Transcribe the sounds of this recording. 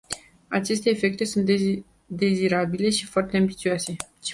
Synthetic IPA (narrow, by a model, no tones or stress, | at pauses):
at͡ʃe̞st̪e̞ːfe̞k̚t̪e̞sunt̪ | d̪e̞ziɾabile̞ʃifoart̪eambit̪sioase̞